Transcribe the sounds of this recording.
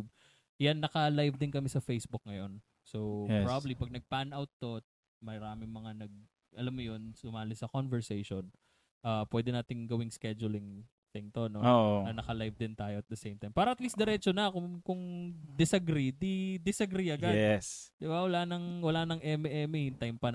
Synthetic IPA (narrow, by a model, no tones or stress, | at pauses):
b̚ | janːɐkɐlajvd̪ɪnkɐmɛsɐfejsbʊk̚ŋɐjo̞n | soɾabɐblipɐɡ̚nɐɡ̚panawt̪ːo̞ | mɐɾaːmɪŋmɐŋanɐɡ̚ | ʔɐlamːojonsʊmaːlɪsɐkonvɛɹsejʃon | ʔaːpwɛd̪ɛnaːt̪ɪŋɡɐwɪŋskɛd͡ʒʊlɪŋ | sɛnt̪ono̞oonɐnɐkɐlajvd̪ɪnt̪aːjoɐt̪̚d̪ɐsejmt̪ajmpaːɾɐʔɐt̪liːst̪d̪ɛɾɛt͡ʃonɐkʊkʊŋd̪ɪsɐɡɾid̪id̪ɪsɐɡɾiɐɡadɛsd̪̥ɪbawɐlaːnɐŋwɐlaːnɐŋʔɛmɛmɪɪnt̪ajmpɐn